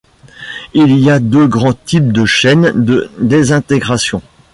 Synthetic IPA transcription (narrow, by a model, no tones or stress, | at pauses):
iliad̪øɡʁɑ̃t̪ip̚d̪əʃɛnd̪əd̪ezɛ̃t̪eɡʁasjɔ̃